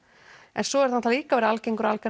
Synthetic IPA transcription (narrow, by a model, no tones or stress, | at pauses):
ɛ̰nsɔɛɾ̥ðhant̪ʰaliːkavɛɾalcejŋkʏɾalkɛ